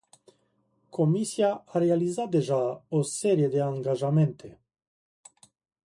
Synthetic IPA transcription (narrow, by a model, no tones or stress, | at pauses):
kʰomisiaaɾealizat̪̚d̪eʒaoseɾijed̪eaŋɡaʒament̪ʰe